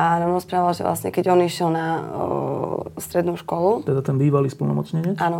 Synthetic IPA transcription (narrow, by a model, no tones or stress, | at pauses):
anamɾɔspɾaʋalʒɛ̰ʋlʔa̰sɲɛ̰kɛɟɔniʃɪɛlna | st̪ɾɛd̪nuːʃkɔlut̪ɛd̪at̪ɛnbiːʋaliːspl̩nɔmɔt͡sɲɛɲɪɛʔaːnɔ